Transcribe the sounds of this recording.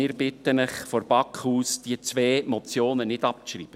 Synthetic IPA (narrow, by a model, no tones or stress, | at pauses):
ɪːɾb̥ɪtːənəχfɔɾb̥ɑkχuːsd̥iət͡sʋeːmɔt͡sjoːnənɪd̥ɑp̚ʃrḭːb̥ə